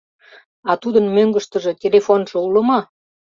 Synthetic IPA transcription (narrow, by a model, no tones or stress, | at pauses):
ɑt̪ud̪ənmøŋɡə̆ʃt̪ə̆ʒĕtʲelefonʒɤ̆ulə̆mɑ